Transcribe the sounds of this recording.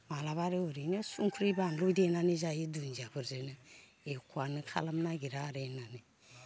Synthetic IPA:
malaβaɾeoɾinesuŋkʰuɾibanlodenaneʒajidund͡ʒakuɾzenə | ekʷwanəkʰa̰lamnaɡiɾaɾenane

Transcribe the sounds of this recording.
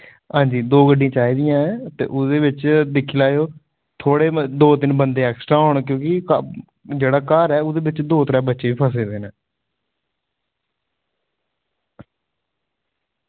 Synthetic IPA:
ɦãːɲd͡ʒiːd̪oːɡəɖĩãːt͡ʃaːiːd̪ɪjãːɛːt̪ḛːʔʊd̪eːbɪt͡ʃd̪ɪkʰːilaːjoː | t̪ʰoːɽeːd̪oːt̪ɪnbənd̪eːɛːksʈɾaːʊɳk̬jõːkɪkː | d͡ʒeːɽaːkaːɾɛːʊd̪eːbɪt͡ʃd̪oːt̪əɾãːbətːʃeːiːpʰəs̬eːd̪eːnɛː

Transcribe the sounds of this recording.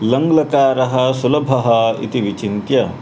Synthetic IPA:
lɐŋɡlɐkaːɾɐɦɐsulɐbʱɐɦɐḭt̪iʋit͡ʃint̪jɐ

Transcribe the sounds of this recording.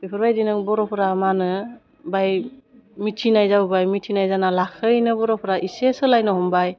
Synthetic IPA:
bipʰɔɾbajdinɯŋbɔɾɔpʰɔɾamanɯ | baj | mitʰinajzawbajmitʰinajzanalakʰɯjnɯbɔɾɔpʰɾaʔisesɯlajnɯhɔmbaj

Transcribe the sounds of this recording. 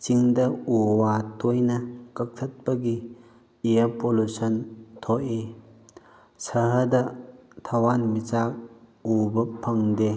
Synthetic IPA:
t͡ʃiŋdɐuwatʰojnɐkɐk̚tʰɐt̚pɐɡi | iɐpolusɐntʰoʔe | sʰɐɦɐdɐt̪ʰɐwanmit͡ʃak̚ubɐpʰɐŋde

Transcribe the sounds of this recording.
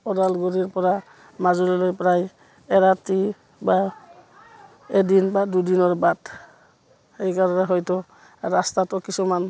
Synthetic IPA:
ɔdalɡoɾiɹpɔɹa | mazulilojpɹaj | ɛɾati | ba | edinbadudinɔɹbat | hejkaɾɔnɛɦɔjtʊ | ɾastatɔkisuman

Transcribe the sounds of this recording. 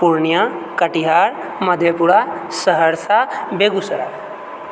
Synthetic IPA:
puɾnijãkəʈiɦaːɾ | məd̪ʱjepuɾasəɦəɾsʰabeɡʊsɾa̰

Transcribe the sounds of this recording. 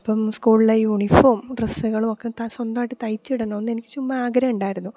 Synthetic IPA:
ɐpːɐmskuːɭlejuɳifoːmɖresuɣɐɭumokːet̪ɐswɐnd̪ɐmaːjʈːɨt̪ɐjt͡ɕːiɽenːoːnːenikʲːɨ̥t͡ɕumbɐaːɡɾɐuɳɖaːjiɾunːu

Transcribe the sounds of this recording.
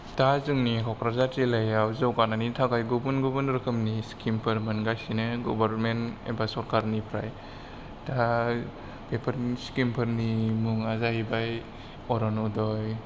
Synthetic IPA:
tazɯŋnikʰɔkɾazatɾilajawzawkananitʰaɡajɡubunɡubunɾɯkʰɯmniskʰimpʰɯɾmɯnɡajsinɯɡɔbaɾmenḛbasɔɾkaɾnipʰɾa̰j | ta | pepʰəɾskimpʰɯɾnimuŋazaɦibaj | ɔɾɔnudɔj

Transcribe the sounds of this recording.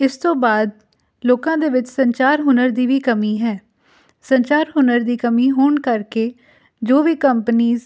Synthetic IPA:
ɪst̪õːbaːd̪ | loːkãːd̪eːʋɪt͡ʃsəɲt͡ʃaːɾɦʊnəɾd̪iːʋiːkəmiːɦɛː | səɲt͡ʃaːɾɦʊnəɾd̪iːkəmiːɦoːɳkəɾkeː | d͡ʒoːʋiːkəmpniːz

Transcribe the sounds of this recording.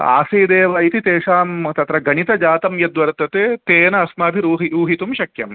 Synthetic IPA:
a̰ːseːd̪eːʋɐjit̪it̪eːʂaːmt̪ɐt̪ɾɐɡɐɳit̪ɐd͡ʒaːt̪ɐmjɐd̪ʋɐɾt̪ɐt̪eːt̪eːnɐːsmaːbʱiɾuːɦiɾuːɦit̪umʃɐkjɐ̰m

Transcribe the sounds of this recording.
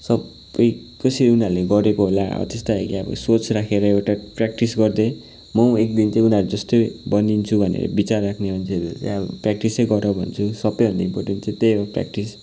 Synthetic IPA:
sʌb | ʌjkʌsiɾiunaɾleɡʌɾekoɦola̰ʌ̰t̪est̪aakiʌbʌ̰sot͡srakʰeɾʌewʈaprak̚ʈisɡʌrd̪e | mʌekd̪int͡sãĩunaɾud͡zʌst̪obʌnint͡sʰubʱʌnḛɾʌ̰bit͡sarːakʰnemʌnʰeʌɾṵt̪ebprak̚ʈisejɡʌɾʌbʱʌnt͡sʰusʌbʌjɦʌ̃nd̪aimporʈent͡saĩt̪ejbʌpra̰k̚ʈis

